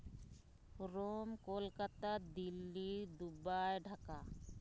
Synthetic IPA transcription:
ɾomkolkat̪ad̪ilːid̪ubajɖʱaka

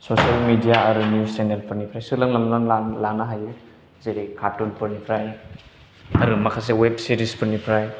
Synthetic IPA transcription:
sosalmidijaɐɾunjussenelpʰɯɾnipʰɾajsɯlaŋlamlanalanaɦajɯ | zeɾikʰatunpʰɯɾnipʰɾaj | ɐɾumɐkʰas̬eweb̚siɾispʰɯɾnipʰɾaj

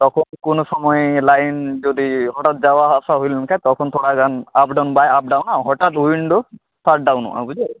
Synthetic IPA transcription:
t̪ɔkʰɔnkʊnʊsɔmɔjlajnd͡ʒod̪iɦɔʈat̪̚zawaɦɔsaɦojlnakʰat̪ɔkʰɔnt̪ʰɔɽaɡanap̚ɖawnbajap̚ɖawnãɦɔʈat̪̚ɦundɔ | staʈ̚ɖawnɔ̰ʔa̰bud͡ʒa

